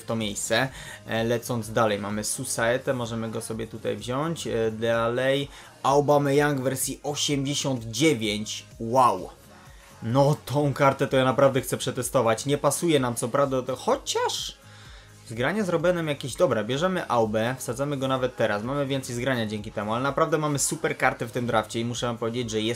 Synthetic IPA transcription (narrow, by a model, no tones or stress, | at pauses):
ft̪ɔmʲjejst̪sɛ | lɛt̪sɔnd̪zd̪alɛjmamɘsusaɛt̪ɛmɔʐɛmɘɡɔsɔbʲjɛt̪ut̪a̰jvʑɔɲt͡ɕd̪alɛj | ʔawbamɛjaŋɡvɛɾsʲiɔɕɛmd͡ʑeɕɔnd̪d͡ʑevʲjeɲt͡ɕ | waw | nɔt̪ɔ̃w̃kaɾt̪ɛt̪ɔjanapɾavd̪ɛxt̪sɛpʂɛt̪ɛst̪ɔvat͡ɕɲɛpasujɛnamt̪sɔpɾavd̪at̪ɛxɔt͡ɕaʂ | zɡɾaɲazɾɔbjɛnamjakʲeʑd̪ɔbɾɛbʲjɛʐɛmɘʔawbɛfsad̪zamɘɡɔnavɛt̪ːɛɾasmamɘvʲjɛnt̪sɛjzɡɾaɲad͡ʑeŋʲkʲit̪ɛmualɛnapɾavd̪ɛmamɘsupɛɾkaɾt̪ɘft̪ɘmd̪ɾaft͡ɕɛimuʂɛnapɔvʲjed͡ʑed͡ʑʐɛjɛ